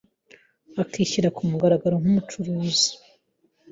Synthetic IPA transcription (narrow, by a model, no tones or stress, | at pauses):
akiːçiɾakumuɡaɾaɡaɾoŋ̥humut͡ʃuɾuːzi̥